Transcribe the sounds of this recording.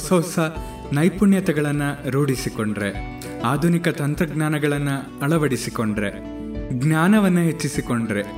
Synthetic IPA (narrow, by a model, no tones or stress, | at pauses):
sɐwsɐ | nɐjpuɳjɐt̪ɐɡɐɭɐnːɐɾoːɽisiko̞ɳɖɾe | aːd̪ʱunikɐt̪ɐnt̪ɾɐɡnaːnɐɡɐɭɐnːu | ɐɭɐʋɐɽisiko̞ɳɖɐɾe̞ | ɡnjaːnɐʋɐnːuɦet͡ʃːisiko̞ɳɖɐɾe̞